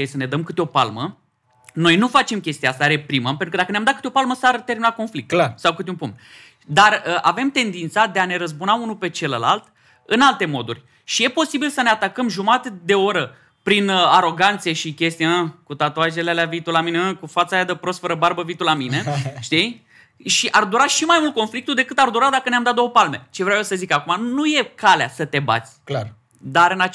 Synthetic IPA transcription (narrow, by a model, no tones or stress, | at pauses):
esəne̞d̪əmkɨt̪eo̞pa̰lmə | no̞jnufat͡ʃe̞mkʲe̞st̪iaast̪aɾe̞pɾiməmpenukəd̪akəneamd̪atkɨ̥t̪eo̞palməsart̪e̞rminako̞nflik̚t̪sawkɨt̪eumpuŋt̪ | d̪arəʔave̞mt̪e̞nd̪int̪sad̪e̞ane̞ɾəzbunaunupe̞t͡ʃe̞ləla̰lt̪ | ɨnalt̪e̞mo̞d̪urʲ | ʃije̞po̞sibilsəneat̪akəmʒumat̪ed̪e̞o̞ɾə | pɾinaɾo̞ɡant̪sijeʃikʲe̞st̪ijaəkut̪at̪oaʒelealeavit̪ulamineəkufat̪sajad̪əpɾo̞st̪fəɾəbaɾbəvit̪ulamine̞ʃt̪ij | ʃiʔard̪uɾaʃimajmult̪̚ko̞nflikt̪ud̪e̞kɨt̪ard̪uɾad̪akəneamd̪at̪d̪owopalme̞t͡ʃe̞vɾawjesəzikakumanuje̞kaleasət̪e̞ba̰t̪sʲ | d̪aɾɨnat͡ʃ